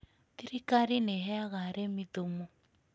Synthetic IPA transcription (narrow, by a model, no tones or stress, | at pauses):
t̪iɾikaɾineɦɛaɣaɾemidomo